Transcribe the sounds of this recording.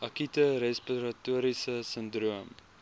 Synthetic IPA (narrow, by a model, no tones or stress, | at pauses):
ɐkitəɾɛspiɾɐtuəɾisəsəndruəm